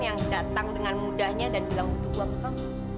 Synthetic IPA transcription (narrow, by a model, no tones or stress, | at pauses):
jaŋdat̪aŋdəŋanmudahɲadanbəlaŋbut̪uuapt̪ɔ